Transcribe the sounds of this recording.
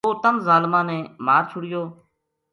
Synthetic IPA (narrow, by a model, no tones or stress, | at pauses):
oːt̪əmzaːlmãːnẽːmaːɾt͡ʃʰʊɽɪjoː